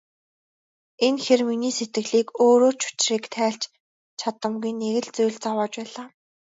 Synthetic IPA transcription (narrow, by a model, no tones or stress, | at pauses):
enxerminiːset̪ɡɘ̆ɮiːkoːɾoːt͡ɕʰʊ̥t͡ɕriːkt̪ʰæːɬt͡ɕ | t͡ɕʰat̪ə̆mɡujnːeɣɘ̆ɮt͡sujɮt͡sawɔːt͡ɕpæːɮaː